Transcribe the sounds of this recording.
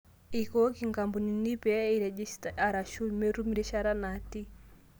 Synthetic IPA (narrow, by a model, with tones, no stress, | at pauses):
i˨kɔ˦ki˨ŋɡa˨mbu˨ni˨ni˦pɛ˦i˨ɾɛ˨d͡ʒi˦sta˨ɾa˨ʃu˦mɛ˦ɾu˦mi˨ɾɛ˦ʃa˦ɾa˦na˨ti˦